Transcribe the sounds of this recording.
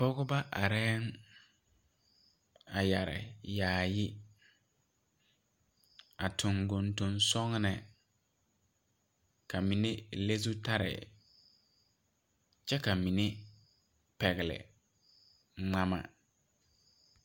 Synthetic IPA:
pɔ˦ɡʊ˦ba˦ʔa˨ɾɛː˦n | a˨ja˨ɾɪ̰˨jaː˨jɪ˦ | a˨tʰʊ̃˨ŋɡʊ˨ntʊ̃˨nsɔ˦ŋnɛ˨ | ka˨mĩ˨ne˦le˦su˦ta˦ɾɪ̰˨ | t͡ʃɛ˦ka˨mĩ˨ne˦ | pɛ˨ɣɪ˨lɪ̰˨ | ŋ͡ma˦ma̰˨

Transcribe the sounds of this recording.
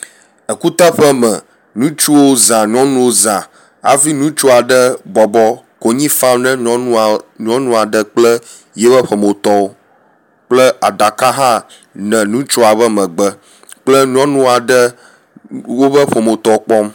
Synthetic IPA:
ə˨ku˦t̪a˦ɸə˦mɛ̃˨ | nũ˦t͡ʃu˦wo˦zã˨ɲ˦ɔ̃˦nũ˦wo˦zã˨ | a̰˨vi˦nũ˦t͡ʃu˦a˨ɖə˦bɔ˨bɔ˦ | ko˨ɲĩ˦fã˦mnɛ̃˦ũ˦ɲ˦ɔ̃˦nũ˦a˨ɖə˦k͡plə˦ | jɛ˦βə˦ɸə˨mo˨t̪ɔ˦o˦ | k͡plə˦a˨d̪a˨kã˦ɦã˦ | nɛ̃˨nũ˦t͡ʃo˦a˨βə˦mə̃˨ɡ͡bə˦ | k͡plə˦ɲ˦ɔ̃˦nũ˦a˨ɖə˦ | wo˦bə˦ɸə˨mo˨t̪ɔ˦o˦k͡pɔ˦m

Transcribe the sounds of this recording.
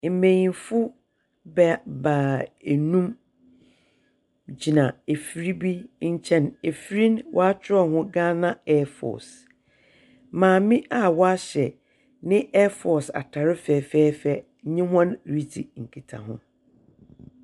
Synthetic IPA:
m̩˨mẽ˨jĩ˨nfʊ˦ | bɛ˨ba˨e˨nũ˦m | d͡ʑi˨nã˨e˨fi˨˦ɾi˦bi˦ɲ̩˦t͡ɕʰɛ̃˦˨ne˨fɾĩ˦nwʔɔ˦a˦t͡ɕʰᶣɪ˦ɾɔ˨ɦʊ̃˦ɡãː˦nã˦ɛ˦fɔ̰˨s | mãː˨mɪ̃˦ʔa˦wɔ˦a˦ɕɛ˨ | nɪ̃˦ɛ˦fɔ˨sa̰˨tʰa˨ɾɪ˦fɛː˨fɛː˦fɛ˨˦ | ɲɪ̃˦hɔ̃˦nɾi˦tʰḭ˨ŋ̩˨kʰi˨tʰa̰˨ɦʊ̰̃˦

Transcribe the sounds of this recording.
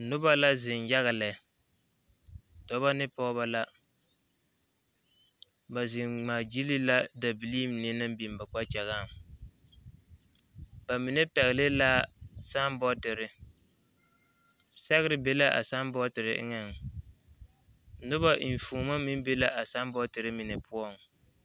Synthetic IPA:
nʊ˦ba˦la˦zɪ˨nja˦ɣa˨lɛ˨ | dɔ˨ba˦nɪ˦pɔ˦ba˦la˦ | ba˨zɪ˨ŋŋ͡maː˨d͡ʒi˦li˦la˦da˨bi˨li˦mnɪ˦nɨ˦mbi˨m˨ba˨k͡pa˦t͡ʃɛ˨ɣa˦˨m | ba˨mi˨nɛ˦pɛ˨ɣɪ˨lɪ˦laː˦sa˦mbɔ˦tɪ˨ɾɪ˦ | sɛ˦ɣɨ˦ɾɪ˦be˦la˦ʔa̰˨sa˦mbɔ˦tɪ˨ɾɪ˨ʔŋɛ˨ŋ˨ | nʊ˦ba˦ʔi˨ɱ˨fuː˨ma˦mi˦be˦la˦ʔa˨sa˦mbɔ˦tɨ˨ɾɪ˦mi˨nɛ˨pʰʊ˦ɔ˦˨ŋ

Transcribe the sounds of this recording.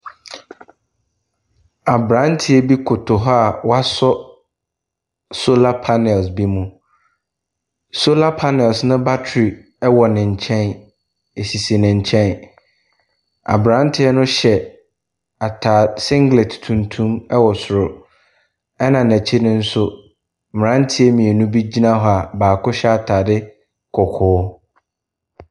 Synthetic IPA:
a˨bɾã˨˦n˦tʰɪ˦ɛ˦bi˦kʰʊ˨tʰʊ˨ɦɔ˦a˨wa˦sɔ˦ | so˦la˦pʰa˦nɛ˨lsbi˦mũ˦ | so˦la˦pʰa˦nɛ˨lsnʊ̃˦ba˦tʰɾi˨ | ɛ˦wɔ˨nɪ̃˨ɲ̩˨t͡ɕʰɛ̃˦n | e˨ɕi˨si˨nɪ̃˨ɲ̩˨t͡ɕʰɛ̃˦n | a̰˨bɾã˦n˦tʰɪ˦ɛ˦nʊ̃˦ɕɛ˨ | a˨tʰaː˨sɪ̃˦ŋɡle˨tʰtʰũ˨ntʰũ˦mɛ˦wɔ˨sʊ˨ɾʊ˨ | ɛ˦nã˨næ˨t͡ɕʰi˦nʊ̃˦n̩˦sʊ˦ | m˨ɾã˦n˦tʰɪ˦ɛ˦mĩ˨e˨nũ˦bi˦d͡ʑi˦nã˦ɦɔ˨a˨baː˨kʰʊ˦ɕɛ˦a˨tʰaː˨dɪ˦ | kʰɔ˨kʰʊː˨˦

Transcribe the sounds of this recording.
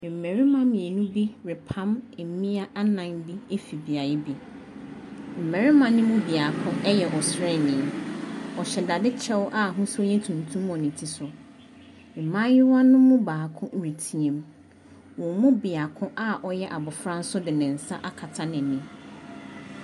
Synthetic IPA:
m̩˨mɛ˨ɾɪ˦mã˦mɪ̃˨e˨nũ˦bi˦ɾɪ˨pʰã˦mɛ˨˦mĩ˦a˦ʔa˦nã˨nbi˦e˦fi˨bi˨a˨jɪ˦bi˨ | m̩˨mɛ̃˨ɾɪ˦mã˨nɪ̃˦mʊ̃˦bi˨a˨kʰʊ̃˦ɛ˦jɛ˨ʔɔ˨sɾɛ˦˨nɪ̃˨ɔ˨ɕɛ˨da˨dɪ˦t͡ɕʰɛ˦wʔa˦ɦʊ̃˦sʊ˦jɛ˦tʰũ˨ntʰũ˦mɔ̃˨nɪ̃˨tʰi˨sʊ˨ | m̩˨mã˦jɪ˦wã˦nʊ̃˦mʊ̃˦baː˨kʰʊ̃˦ʔɾi˨tʰĩ˨ẽ˨m | wɔ̃˨mʊ̃˦bɪ˨a˨kʰʊ̃˦ʔa˦ʔɔ˦jɛ˦ʔa˨bʊ˨fɾã˦n̩˦sʊ˦dɪ˨nɪ̃˨n̩˨sa̰˦ʔa˦kʰa˨tʰa˦nɪ̃˨nĩ˨

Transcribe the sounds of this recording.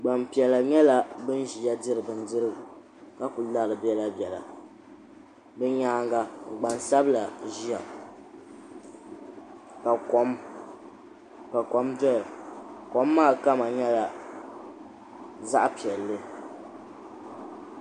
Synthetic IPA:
ɡ͡ba˨mpi˨ɛ˨la˨ɲɛ˦la˦bɨ˦n˦ʒi˨a˦dɨ˦ɾɨ˨bɨ˨n˦dɨ˦ɾɨ˦ɡɨ˨ | ka˦pu˨la˦˨lɨ˨bɛ˦la˦bɛ˨la̰˨ | bɛ˦ɲaː˦ŋɡa˦˨ɡ͡ba˨nsa˦bla˨ʒi˦a˨ | ka˨ko˨˦m | ka˨ko˨mdɔ˦lɨ˨ko˨˦mːaː˦˨ka˦ma˨ɲɛ˦la˨ | za˦ʔpi˨ɛ˨lːɨ˦

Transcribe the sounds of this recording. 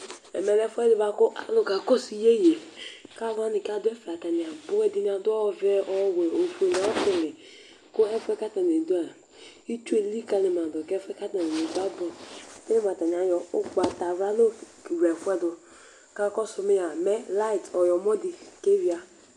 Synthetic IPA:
ḛ˨me˨le˦fɛ˦dʊ˦ba˦kʊ˦a̰˨lʊ˨ka˨ko˦si˨je˦je˨ka˦va˦ni˨ka˦dʊ˦e˦fa˨ta˨ni˨a˨bo˦ɛ˦di˦ni˦a˨dʊ˦ɔ˦ve˦ɔ˦we˨o˨fo˨na˨ɔ˦ki˨le˨ | kʊ˦e˦fɛ˦ka˦ta˨n˨e˨du˦a˨ | i˦t͡ʃu˦e˨li˦ka˨li˨m˨a˨dɔ˨kɛ˦fɛ˦ka˦ta˨ne˨ne˨du˦a˦bɔ˨e˦le˦m˨a˨ta˨n˨a˨jɔ˨ʊ˦ɡ͡ba˨ta˨ɾa˦lo˦˨ | ɾe˨fʷɛ˦dʊ˨ | ka˦kɔ˦su˨˦mi˦ja˨me˦la˦i˨tɔ˨jɔ˨mɔ˦di˨ke˦vi˦a˦

